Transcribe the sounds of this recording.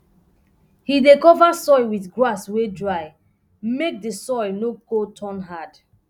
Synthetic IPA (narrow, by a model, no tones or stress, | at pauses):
hidekɔvasɔɪwiθɡɹaswedɹaɪ | mek̚dəsɔɪnokotʰɔ̃nɦad